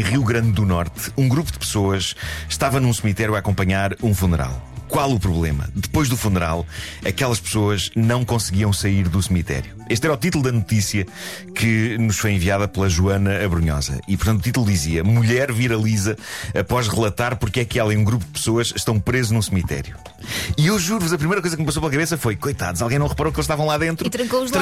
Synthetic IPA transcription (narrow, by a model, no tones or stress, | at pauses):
ʁiuɣɾɐ̃nd̪ːunɔɾt̪ũɡɾupud̪psoɐʃʃt̪avɐnũsɨmit̪ɛɾjuakõmpɐɲaɾũfunɨɾa̰lˠkwalˠupɾuβlˠemɐ̰d̪ɨpojʒðufunɨɾa̰lˠ | ɐkɛlˠɐʃpsoɐʒnɐ̃w̃kõsɣiɐ̃w̃sɐiɾðusmit̪ɛ̰ɾjueʃt̪ɛɾɐɔut̪it̪ulˠd̪ɐnut̪isjɐ | kʰɨnuʃfojẽviaðɐplˠɐʒuɐnɐːβɾuɲɔ̰zɐ̰ipuɾt̪ɐ̃t̪ut̪it̪ulˠd̪iziɐmuʎɛɾviɾɐlˠizɐɐpɔʒʁɨlˠɐt̪aɾpuɾkɛkɛlˠɐ̃j̃ũɡɾup̬ud̪̚ɨpsoɐʃʃt̪ɐ̃w̃pɾezunũsmit̪ɛ̰ɾju | iewʒuɾuvuzɐpɾimɐjɾɐkojzɐk̚mpɐsowplˠɐkɐβesɐfojkojt̪a̰ðualˠɣɐ̃j̃nɐ̃w̃ʁɨpɐɾowkelˠʃt̪avɐ̃lˠaðẽnt̪ɾut̪ɾɐ̃ŋkou